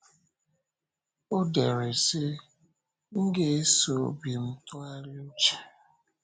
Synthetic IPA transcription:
o˦de˨ɾe˨se˦ | ŋ̩˦ɡe˦e˦so̰˨˦bi˨m̩˦tʊ˦a˦ɾɪ˦o˦t͡ʃe̥˨

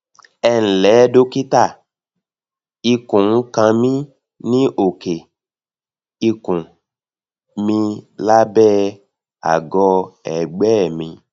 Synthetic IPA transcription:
ɛ˦n̩˨lɛ˨˦do˦ki˦t̪a˦˨ | i˧kũ˨ŋ̩˦kã˧mĩ˦ | nĩ˦ʔo˨ke˨ | i˧kũ˨ | mĩ˧la˦bɛ˦ | a̰˨ɡɔ˧ɛ˨ɡ͡bɛ˦˨mĩ˧

